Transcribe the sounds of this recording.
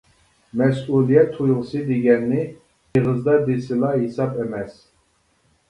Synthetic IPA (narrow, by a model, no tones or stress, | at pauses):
mɛsulijɛt̪ʰujʁsid̪iɡɛnːi | iʁəzd̪ad̪isilaɦisabɛmɛs